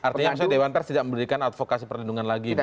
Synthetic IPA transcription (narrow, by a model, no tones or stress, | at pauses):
art̪iɲasɔdewant̪ərst̪idaʔməmbəɾikanat̪fokasipərlinduŋanlaɡi